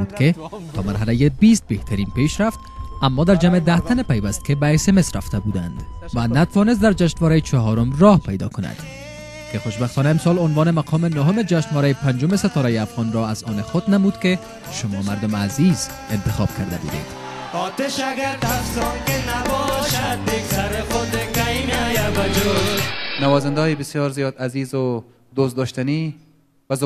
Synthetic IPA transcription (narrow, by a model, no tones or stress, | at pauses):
ud̪ket̪ʰɒ̰ːmaɾɦalajebist̪̚beht̪ʰaɾinpeʃɾaft̪amːɒd̪aɾd͡ʒamed̪aht̪ʰanepajvast̪̚kebaesemesɾaft̪ʰabud̪a̰nd̪vanat̪avɒnes̬t̪d̪aɾd͡ʒaʃnvɒɾajet͡ʃʰɒɦɒɾʊmɾɒhpajd̪ɒ̰kʊna̰d̪̥ | kexoʃbaxt̪ɒːnaemsɒlonvɒːnemaqʰɒmenoɦomed͡ʒaʃnʋɒɾajepand͡ʒomeset̪ɒɾajeafɣɒnɾɒazɒnexod̪namud̪ke | ʃʊmɒmaɾd̪ʊmaziz̥ | ɪnt̪ɪxɒ̰b̥̚kʰaɾd̪a̰bṵd̪ḛd̪̥ | ɔt̪eʃaɡaɾt̪afzɔŋkenabɔʃat̪̚d̪ek̚t̪aɾexod̪ekaimajabad͡ʒonawɒzand̪ɒjebɪsjɔːɾzijɒːd̪azizʊ | d̪ost̪d̪ɔʃt̪ani | b̥az